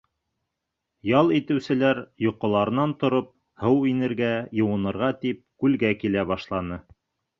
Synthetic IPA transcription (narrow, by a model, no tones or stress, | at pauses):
jɑlˠit̪ɘ̆wsɘ̆læɾjŏqːŏlˠɑɾɤ̆nɑnt̪ŏɾop̚ | hɤwinɘ̆ɾɡæjɤ̆wɤ̆nɤ̆ɾʁɑt̪ip̚kʉlɡækilæβɑʃlˠɑnɤ